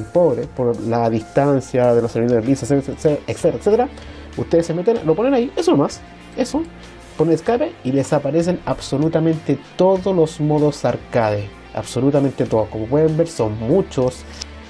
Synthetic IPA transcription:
mpoβɾespoɾlaðist̪ansjaðeloseɾβisoðeliseseeekset̪eɾaset̪eɾa | uht̪eðesemet̪enloponenaiʔesonomas | eso | poneneskapeiðesapaɾes̬enaβso̞lut̪amẽ̞nt̪et̪oðolosmoðosaɾkaðe | a̰βso̞lut̪ame̞nt̪et̪oðohkomop̬we̞ðembe̞ɾso̞nmut͡ʃos

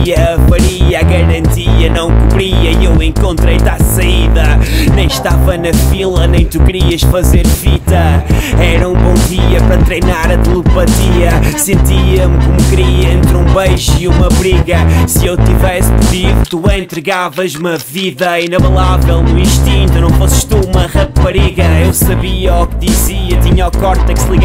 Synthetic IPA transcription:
ɐfɐɾiaɣɐɾɐ̃nt̪iɐnɐ̃w̃kuβɾiɐiewẽŋkõnt̪ɾejt̪asɐiðɐnẽj̃ʃt̪avɐnɐfilˠɐnẽj̃t̪ukɾiɐʃfɐzeɾfit̪ɐɛɾɐũbõw̃ðiɐpɐɾɐt̪ɾejnaɾɐt̪lˠɨpɐt̪iɐsẽnt̪iɐmkomukɨɾiẽnt̪ɾũbɐjʒiumɐβɾiɣɐsɨewt̪ivɛsd̪ɨvivt̪uẽnt̪ɾɨɣavɐzumɐviðɐinɐβɐlˠavɛlˠnuĩʃt̪ĩnt̪unɐ̃w̃fosʃt̪uumɐʁɐpɐɾiɣɐewsɐβiɐukðiziɐt̪iɲɐɔkɔɾt̪ɐksɨlˠiɣa

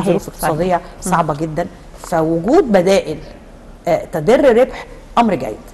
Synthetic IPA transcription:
d̪olɾuːfek̚t̪sˤɑːd̪ejːɑsˤɑʕbɑɡed̪ːæn | fæwoɡuːd̪̚bæd̪æːʔɪl | t̪æd̪erːɾebħʔɑmɾɡæ̰jːed̪̥

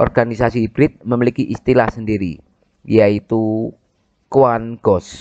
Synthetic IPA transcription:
ʔɔ̰rɡ̥anisasib̥ɾɪt̪̚məmilikiʔist̪ilahsəndiɾi | jait̪u | kuwanɡ̥ɔs

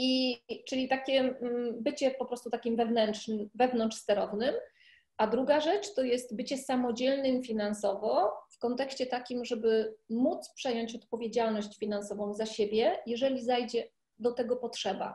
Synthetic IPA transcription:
it͡ʂɘlʲit̪akʲɛbɘt͡ɕɛpɔpɾɔst̪ut̪akʲimvɛvnɛnʂnɘmvɛvnɔnʂsɛɾɔvnɘm | ʔad̪ɾuɡaʐɛt͡ʂt̪ɔjɛst̪bɘt͡ɕɛsamɔd͡ʑɛlnɘmfʲinansɔvɔfkɔnt̪ɛkɕt͡ɕɛt̪akʲimʐɛbɘmut̪spʂɛjɔɲt͡ɕɔt̪̚pɔvʲjed͡ʑalnɔɕt͡ɕfʲinansɔvɔ̃w̃zaɕebʲjɛjɛʐɛlʲizajd͡ʑɛ | d̪ɔt̪ɛɡɔpɔtʂɛba̰

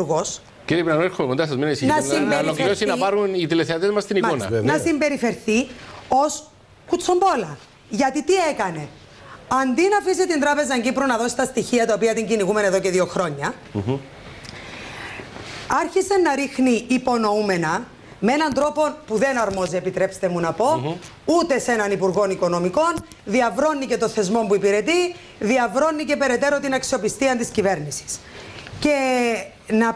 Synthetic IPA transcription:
ɣos | ceɾipinɐnoeɾxumekond̪ɐsɐzmenisnɐsimbelokliosinɐpɐɾunit̪ileθeɐt̪ezmɐst̪inionɐ̰nɐsimbe̞ɾife̞ɾθios | kut͡sːombolɐ | ʝɐt̪it̪iekɐne̞ | ɐnd̪inɐfisit̪ind̪ɾɐpe̞zɐɲɟipɾonɐðo̞si̥t̪ɐst̪içiɐt̪ɐopiɐt̪iɲɟiniɣume̞neðoce̞ðio̞xɾo̞ɲːɐ | ɐɾçisenːɐɾixniːpo̞no̞ume̞nɐ | meenɐnd̪ɾo̞po̞puðe̞nɐɾmo̞ziepit̪ɾe̞pst̪e̞munɐpo̞ | ut̪e̞se̞nɐnipuɾɣo̞niko̞no̞miko̞n | ðiɐvɾo̞nːice̞t̪o̞nθe̞zmo̞mpuipiɾe̞t̪i | ðiɐvɾo̞nːice̞pe̞ɾe̞t̪e̞ɾo̞t̪inɐksio̞pist̪iɐnt̪iscive̞ɾnisi̥sce̞ | nɐ

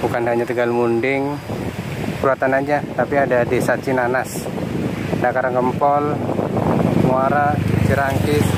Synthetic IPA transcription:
bukandaɲat̪əɡalmundɪŋ | kɾuat̪anad͡ʒat̪apiadadisat͡ʃinanas | dakaɾaŋkəmpɔl | muaɾat͡ʃiɾaŋkɪs

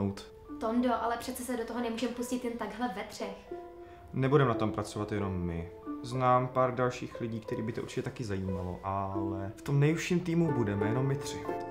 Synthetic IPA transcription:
owt̪ | t̪omdoʔalɛpr̥ɛt͡sɛsɛdot̪oɦonɛmuːʒɛmpuscɪt̪jɛnt̪aɡɦlɛvɛt̪r̝̥ɛx | nɛbudɛmnat̪o̞mpɾat͡so̞vat̪jɛno̞mːɪznaːmpaːɾdalʃiːxlɪɟiːkt̪ɛɾiːbɪt̪oʔuɾt͡ʃɪcɛt̪akɪzajiːmalo̰ʔalɛft̪o̞mnɛjhuʃiːmt̪iːmubudɛmɛjɛno̞mːɪt̪r̝̥ɪ

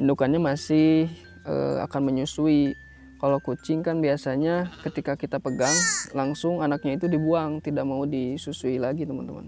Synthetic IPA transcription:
indukanɲamasɪh | ə̰a̰kanməɲusui | kalakut͡ʃɪŋkanbiasaɲakət̪ikakit̪apəɡaŋlaŋsʊŋanak̚ɲait̪udibuaŋt̪idaʔ̚maudisusuilaɡit̪əma̰nt̪əma̰n

